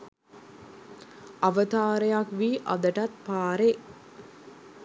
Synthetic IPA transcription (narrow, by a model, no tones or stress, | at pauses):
ɐʋət̪aːɾəjakʋiːʔɐ̰d̪əʈat̪̚paːɾe